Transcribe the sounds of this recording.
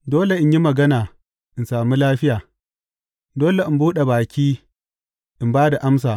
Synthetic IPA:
doː˦le˨ʔɪ˦ɲji˦mɐ˨ɡɐ˦naː˨ | ʔɪ˨nsaː˨mu˦laː˦ɸɪ˦jaː˨ | doː˦le˨ʔɪ˨mbuː˦ɗe˨baː˨kʲiː˦ | ʔɪ˨mbaː˦da˨ʔa˦ms̬aː˨

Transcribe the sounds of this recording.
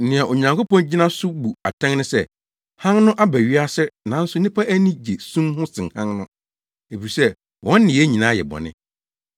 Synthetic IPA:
nɪ̃˨ɛ˨ʔo˨ɲã˨ŋkʰo˦pɔ̃˦nd͡ʑi˦nã˦sʊ˦bu˨a˨tʰɛ̃˦ŋnɪ̃˦sɛ˦˨ | hã˦nnʊ̃˦ʔa˦bæ˨ɥi˦a˦sɛ˦nã˨˦n̩˦sʊ˦nɪ̃˦pʰa˦ʔæ˦nĩ˦d͡ʑe˨sũ˦mhʊ̃˦sɪ̃˨hã˦ŋnʊ̃˦ | e˨fi˨sɛ˦ | wʔɔ̃˦nː˦ɪ̃˨ɛ˦ɲĩ˨nãː˨˦jɛ̰˨bɔ̰˨nɪ̰̃˦

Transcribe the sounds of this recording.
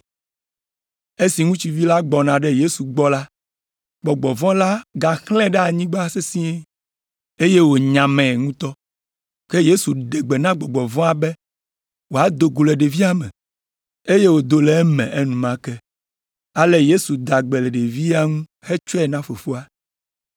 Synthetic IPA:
e˦si˨ŋũ˦t͡ɕi˨vi˦la˦ɡ͡bɔ˨nã˨ɖɛ˦je˦su˨ɡ͡bɔ˦la˦ | ɡ͡bɔ˨ɡ͡bɔ˨vɔ̃˦la˦ɡa˨xlɛ̃˦ɖɛ˦a˨ɲĩ˦ɡ͡ba˦se˦sĩ˦ɛ̃˦ | e˦je˦wo˨ɲã˨mɛ̃˨ŋũ˦t̪ɔ˦ | ke˦je˦su˨ɖɛ˨ɡ͡be˨nã˦ɡ͡bɔ˨ɡ͡bɔ˨vɔ̃˦a˦bɛ˦ | wo˨a˨d̪o˨ɡu˨lɛ˨ɖe˨vi˦a˦mɛ̰̃˨ | e˦je˦wo˨d̪o˨lɛ˨˦mɛ̰̃˨ʔe˦nũ˨mã˨kɛ˦ | a˦le˦je˦su˨d̪a˨ɡ͡bɛ˨lɛ˨ɖe˨vi˦a˦ŋũ˦ | xɛ˦t͡ʃɔ˦ɛ˨nã˦fo˨fo˦a˦

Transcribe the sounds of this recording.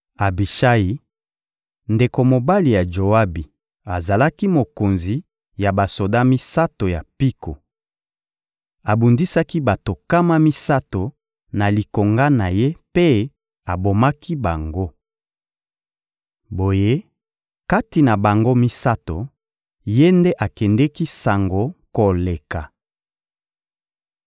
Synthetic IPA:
a˨bi˨ʃa˦ji˨ | nde˨ko˨mo˨ba˦li˨ja˨ʒo˨a˦bi˨ | a˨za˨la˦ki˦mo˨ko˨nzi˨ | ja˨ba˨so˨da˦mi˦sa˦to˨ja˨pi˦ko̰˨ | a˨bu˨ndi˦sa˦ki˦ba˨to˨ka˦ma˦mi˦sa˦to˨ | na˨li˨ko˨ŋɡa˦na˨je˦pe˦ | a˨bo˨ma˦ki˦ba˨ŋɡo˦ | bo˨je˦ | ka˦ti˨na˨ba˨ŋɡo˦mi˦sa˦to˨ | je˦nde˦ʔa˨kɛ˨ndɛ˦ki˦sa˨ŋɡo˨ko˨le˨ka˨

